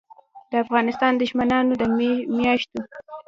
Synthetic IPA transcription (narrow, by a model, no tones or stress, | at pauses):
d̪̥əafɣɑnɪst̪ɑnd̪əʒmanɑnod̪əmmjɑʃt̪o